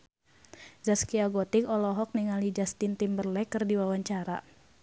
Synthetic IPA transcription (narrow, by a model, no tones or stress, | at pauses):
zaskiaɡɔt̪ikɔlɔɦɔk̚niŋalid͡ʒast̪int̪imbərlɛkɨrdiwawaɲt͡ʃaɾa